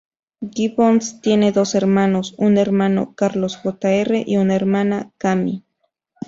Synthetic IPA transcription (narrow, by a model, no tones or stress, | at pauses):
ɡiβonst̪jened̪oseɾmanosuneɾmano̰kaɾlosɣot̪aereʔiunaeɾmanakamḭ